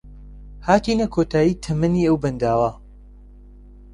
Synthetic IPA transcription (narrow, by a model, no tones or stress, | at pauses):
haːt̪iːnɐkʰot̪ʰaːjiːt̪ʰɐmɐniːɐwbɐnd̪aːwɐ